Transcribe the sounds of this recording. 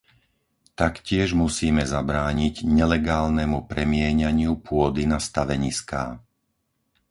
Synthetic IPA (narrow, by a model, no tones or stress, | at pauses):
t̪akcɪɛʒmusiːmɛzabɾaːɲiɟɲɛlɛɡaːlnɛmupɾɛmɪɛɲaɲɪupʊɔd̪inast̪aʋɛɲiska̰ː